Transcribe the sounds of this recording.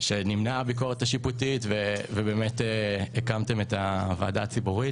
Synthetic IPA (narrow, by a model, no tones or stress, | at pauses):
ʃenimnabiko̞ʁetaʃiputitvevebemeteekamtemetava̰ːdaːt͡sibuʁi